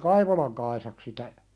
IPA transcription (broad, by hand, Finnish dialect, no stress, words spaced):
kɑiʋolɑŋ kɑisɑk sitæ